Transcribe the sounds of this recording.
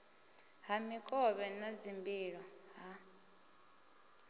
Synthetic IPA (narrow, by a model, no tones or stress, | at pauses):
ɦamikʼɔβɛnad͡zimbiɺɔɦa